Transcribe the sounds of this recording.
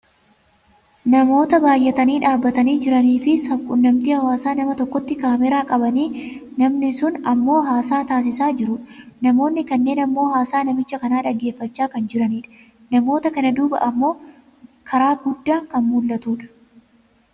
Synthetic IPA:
nɐmo̞ːt̪ɐbaːjːɛt̪ɐniːᶑaːbːɐt̪ɐniːd͡ʒɪɾɐniːfɪsɐkʼʊnːɐmt̪ɪhɐwaːsaːnɐmɐt̪ɔkːɔt̪ːɪkaːmɛɾaːkʼɐbɐniːnɐmnɪsʊnɐmːo̞ːɦaːsaːt̪aːs̬ɪsaːd͡ʒɪɾʊᶑnɐmo̞ːnːɪkɐnːe̞ːnɐmːo̞ːɦaːsaːnɐmɪt͡ʃːɐkɐnaːᶑɐɡːe̞ːfːɐt͡ʃːaːkɐnd͡ʒɪɾɐniːᶑɐ̥ | nɐmo̞ːt̪ɐkɐnɐd̪uːbɐ̰ʔɐmːo̞ː | kʰɐɾaːɡʊd̪ːaːkɐnmuːlːɐt̪uːᶑɐ̥

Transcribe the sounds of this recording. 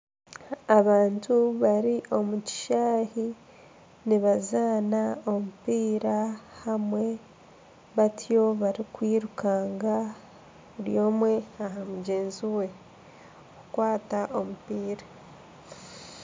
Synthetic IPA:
aβaːntuβaɾiʔo̞muci̥ʃaːhi | niβazaːnao̞mupiːɾahamwe̞ | βatʰjo̞βaɾikwiːɾukaːŋɡa | βuɾjo̞ːmwe̞aɦamuɟe̞ːnziwe̞ | kukwaːtaʔo̞mupiːɾa

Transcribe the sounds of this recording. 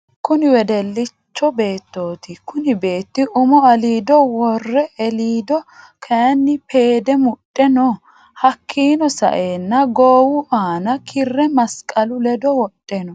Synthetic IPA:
kʊnɪwɛd̪ɛlːɪt͡ʃːɔbe̞ːt̪ːo̞ːt̪ɪkʊnɪbe̞ːt̪ːɪʔʊmɔɐliːd̪ɔwɔrːɛɛliːd̪ɔkʰɛɐnːɪpe̞ːd̪ɛmʊtʼːɛnɔ | hɐkʰːiːnɔsɐ̰ʔeːnːɐɡoːwʊʔaːnɐkʰɪrːɛmɐskʼɐlʊlɛd̪ɔwɔɗʼːɛnɔ

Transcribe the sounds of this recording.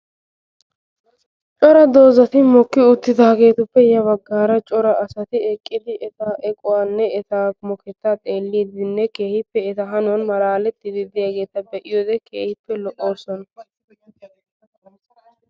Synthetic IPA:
t͡ʃʼɔɾɐd̪o̞ːzɐt̪ɪmɔkːɪʊt̪ːɪd̪aːɡe̞ːt̪ʊpːɛjɐbɐɡːaːɾɐt͡ʃʼɔɾɐʔɐsɐt̪ɪɛkʼːɪd̪ɪʔɛt̪aːʔɛkʼʊwaːnːɛɛt̪aːmɔkʰɛt̪ːat̪ʼe̞ːlːiːd̪ɪnːɛke̞ːhɪpːɛɛt̪ɐɦɐnʊnmɐlaːlɛt̪ːɪd̪ɪd̪ɪjaɡe̞ːt̪ɐbɛʔɪjoːd̪ɛkʰḛːhɪpːɛlɔʔo̞ːɾsɔnɐ

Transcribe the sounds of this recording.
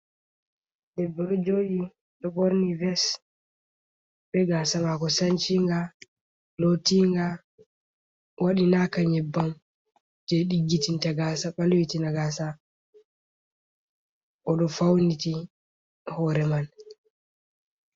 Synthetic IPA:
ɗɛbːɔɗɔd͡ʒoʔi | ɗɔboɾnivɛs | ɓɛɡasamakɔsaɲt͡ʃiŋɡa | lotiŋɡa | waɗinakaɲɛbːan | d͡ʒɛɗiɡːitintaɡasaɓalwitinaɡasa | ʔɔɗɔfawniti | hɔːɾɛman

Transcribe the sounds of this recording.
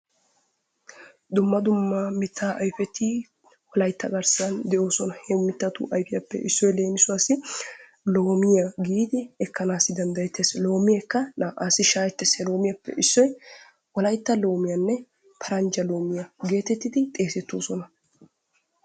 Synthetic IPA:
d̪ʊmːɐd̪ʊmːɐmɪt̪ʰːaːʔɐjfɛt̪ʰi | wɔlɐjt̪ːɐɡɐɾsɐnd̪ɛʔo̞ːsɔnɐhɛmɪt̪ːɐt̪ʊ̰ʔɐjfɪjɐpːɛ̰ʔɪsːɔjle̞ːnɪsʊwaːsɪ | lo̞ːmɪjɐɡiːd̪ɪɛkːɐnaːsɪd̪ɐnd̪ɐjɛt̪ːɛslo̞ːmɪjɛkːɐnaːʔaːsɪʃaːjɛt̪ːɛsɛlo̞ːmɪjɐpːɛ̰ʔɪsːɔj | wɔlɐjt̪ːɐlo̞ːmɪjɐnːɛ | pʰɐɾɐnd͡ʒɐlo̞ːmɪjɐɡe̞ːt̪ɛt̪ːɪd̪ɪt̪ʼe̞ːsɛt̪ːo̞ːsɔnɐ

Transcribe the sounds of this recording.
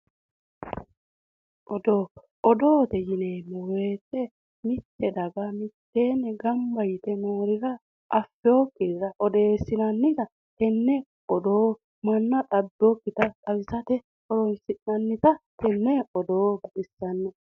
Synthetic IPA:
ʔɔd̪oː | ʔɔd̪oːt̪ɛjɪneːmːɔwe̞ːt̪ːɛ | mɪt̪ːɛd̪ɐɡɐmɪt̪ːe̞ːnɛɡɐmbɐjɪt̪ɛnoːɾɪɾɐ | ʔːfːɛoːkːɪɾɾɐʔɔd̪e̞ːsːɪnɐnːɪt̪ɐ | hɛnːɛ | ɔd̪oː | mɐnːɐt̪ʼɐd̪ːokːɪt̪ɐt̪ʼɐwɪsɐt̪ɛ | ɔɾɔnsɪnːɐnːɪt̪ɐt̪ɛnːɛɔd̪oːbʔɪsːɐnːɛ

